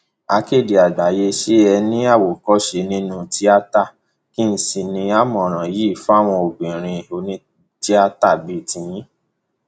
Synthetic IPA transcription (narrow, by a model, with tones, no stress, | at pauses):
a˧ke˦˨di˨a˨ɡ͡ba˨je˧ʃe˦ɛ˧nĩ˦a˦˨wo˨kɔ˦˨ʃe˧nĩ˦nũ˧ti˦a˦ta˦˨ | ki˦n̩˦˨sĩ˧nĩ˧a˦˨mɔ̃˨ɾ̃ã˨ji˦˨fa˦˨w̃ɔ̃˧o˨ɡ͡bĩ˨ɾ̃ĩ˧o˧nĩ˧˦ | ti˦a˧ta˦˨bi˦˨tĩ˧jĩ˦